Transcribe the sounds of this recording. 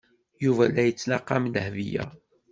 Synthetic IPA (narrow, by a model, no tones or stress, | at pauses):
juvælːæjət͡sːnɑqːɑmləhvijæ̰